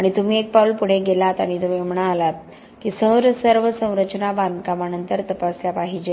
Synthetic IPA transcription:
aɽ̃it̪um̤iːek̚paulpuɽ̤eɡelat̪aɽ̃it̪umim̤ɳaːlat̪̚ | kiːsə̃wɾəsəɾʋəsə̃w̃ɾət͡ɕnaband̪kamanənt̪əɾt̪əpasjapaɦid͡ʑe

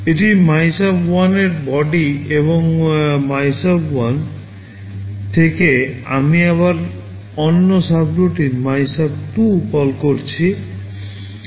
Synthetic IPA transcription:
eʈimajsabwaneɾbɔɖieβoŋmajsabwan | t̪ʰekea̰miaβaɾ | ɔnːosabɾoʈimajsab̚ʈukɔlkoɾt͡ɕʰi

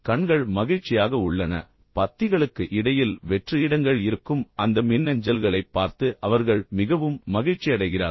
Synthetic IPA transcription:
kɐɳɡɐɭmɐɣɪɻt͡ʃːɪjaːɣɐʊɭːɐnɐ̰ | pɐt̪ːɪɣɐɭɯkːɯʔɪɽɐjɪlʋɛʈriɽɐŋɡɐɭɪɾɯkːɯmɐnd̪ɐmɪnːɐɲd͡ʒɐlɣɐɭɐɪpːaːɾt̪ɯʔɐʋɐɾɣɐɭmɪɣɐʋɯmːɐɣɪɻt͡ʃːɪɐɽɐɪɣɪraː

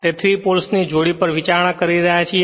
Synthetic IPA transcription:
t̪et̪ʰɾipolsnid͡ʒoɽipəɾʋit͡ʃaɾɳãkəɾiɾəɦjat͡ʃʰi

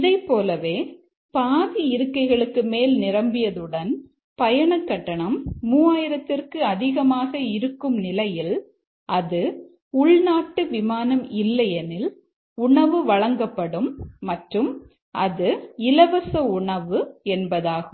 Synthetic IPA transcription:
ɪðɐɪpːoːlɐʋeː | paːðiɪɾɯkːɐɪɣɐɭɯkːɯmeːlnɪɾɐmbɪjɐðɯɽɐn | pɐjɐɳɐkːɐʈːɐɳɐmːuːaːjɪɾɐt̪ːɪrkɯɐðɪɣɐmaːɣɐɪɾɯkːɯmnɪlɐjɪl | ʔɐðɯ | ʊɭnaːʈːɯʋɪmaːnɐmɪlːɐjɛnɪl | ʊɳɐʋɯʋɐɻɐŋɡɐpːɐɽɯmːɐʈrɯm | ʔɐðɯɪlɐʋɐsɐʊɳɐʋɯɛnbɐðaːɣɯm

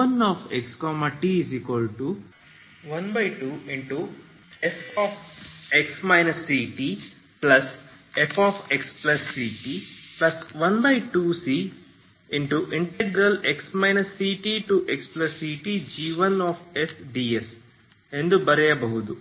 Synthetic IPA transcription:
ɐnɔːfʰekskɔːmɐʈiiziːkʋɐlʈu | ʋɐnbɐjʈuːiɳʈu | efɔːpeksmaɪnɐsːiːʈiː | plɐsefʰaːpʰeksplɐsːiːʈiplɐsʋɐnbɐjʈuːsiː | iɳʈuʔiɳʈeɡɾɐleksmaɪnɐsːiːʈiːʈuʔeksplɐsːiːʈid͡ʒiːʋɐnaːfesɖiːes | end̪ubɐɾɛjɐbɐɦud̪u

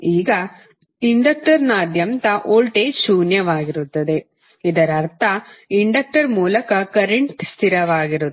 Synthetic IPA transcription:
iːɡɐ | iɳɖɐk̚ʈɐɾnaːd̪jɐmt̪ɐʔoːlʈeːʃuːnjɐʋaːɡiɾut̪ːɐd̪e̞ | id̪ɐɾɐɾt̪ʰɐiɳɖɐk̚ʈɐɾmuːlɐkɐkɐɾeɳʈst̪ʰiɾɐʋaːɡiɾu

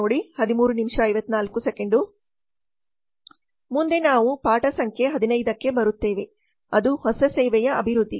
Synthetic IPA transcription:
oːɽihɐd̪imuːɾunimʂɐɐjʋɐt̪ːnaːlkusekeɳɖu | mund̪enaːʋupaːʈɐsɐŋkʰjeɦɐd̪inɐjd̪ɐkːe̞bɐɾut̪ːe̞ːʋe̞ | ɐd̪uhɔsɐseːʋɛjɐɐbʱiɾud̪ːi

